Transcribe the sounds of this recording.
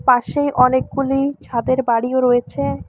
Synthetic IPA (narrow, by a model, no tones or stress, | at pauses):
paʃejʔɔnek̚ɡulit͡ɕʰad̪eɾbaɽioɾojet͡ɕʰe